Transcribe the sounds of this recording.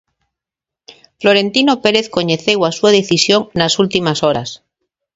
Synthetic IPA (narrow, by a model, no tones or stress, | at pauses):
flo̞ɾẽ̞nt̪ino̞peɾeθko̞ɲeθewasuaðeθisjoŋnasult̪imasoɾas